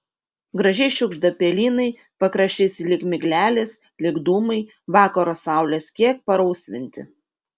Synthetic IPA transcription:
ɡɾɐʒʲɛɪʃʲʊɡʒd̪ɐpʲɛlʲiːnɐɪ | pɐkɾɐʃʲt͡ʃʲɪsʲɪlʲɪkmʲɪɡlʲæːlʲɪs | lʲɪɡd̪ʊmɐɪ | ʋɑːkɐɾoːsɑˑʊlʲeːskʲiɛk̚pɐɾɐʊsʲʋʲɪnʲt̪ʲɪ̰

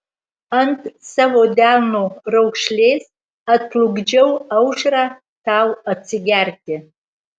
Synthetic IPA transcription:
antʰʼsavodalnorawkʰʂlʲez | atʰluɡd͡ʒewawʂra | tʰaːwat͡sʰiɡʲartʰʼɪ

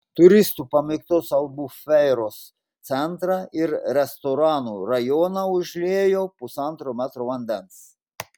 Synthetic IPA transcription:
t̪ʊɾʲɪst̪uːpɐmʲɪkt̪oːsɐlˠbuːfʲɛɪɾoːs | t̪sʲɛnt̪ɾɑɪɾɾʲɛst̪oɾɑːnuːɾɐjoːnɑʊʒʲlʲeːjoːpʊsɐnˑt̪ɾoːmʲæːt̪ɾoːʋɐnʲd̪ʲɛns

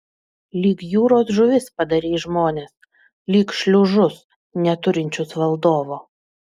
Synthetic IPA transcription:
lʲiːkjuːɾoːsʒʊʋʲɪspɐd̪ɐɾʲiːʒmoːnʲes | lʲiːkʃʲlʲʊʒʊs | nʲɛt̪ʊɾʲɪnʲt͡ʃʲʊsʋɐlˠd̪oːʋoː

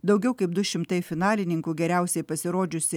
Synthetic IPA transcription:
d̪ɐʊɡʲɛʊkɐɪp̚d̪ʊʃʲɪmt̪ɐɪfʲɪnɑːlʲɪnʲɪŋkuːɡʲɛɾʲæˑʊsʲɛɪpɐsʲɪɾoːd͡ʒʲʊsʲɪ

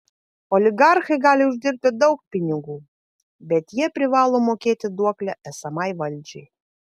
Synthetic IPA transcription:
olʲɪɡɑrxɤjɡɑlʲɪuʒd̪ʲirʲpʲɪd̪ɔwk̚pʲinʲɪɡu | bʲɛt̪jiɛpʲɾʲɪvɑlˠomokʲet̪ʲɪd̪uɔklʲæʔæsɑmɑjʋɐlʲd͡ʒej

